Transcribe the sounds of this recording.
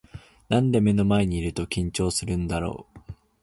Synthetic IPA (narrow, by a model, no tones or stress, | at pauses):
nãnd̪e̞me̞no̞mae̞ɲ̟iːɾɯ̟t̪o̞kʲĩɲ̟t͡ɕo̞ːsɨɾɯ̟̃nd̪aɾo̞̰ː